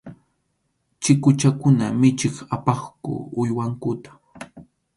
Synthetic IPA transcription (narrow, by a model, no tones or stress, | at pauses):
t͡ʃɪkʊt͡ʃakʊnamɪt͡ʃɪχapɑχkʊ̰ʊjwaŋkʊt̪ḁ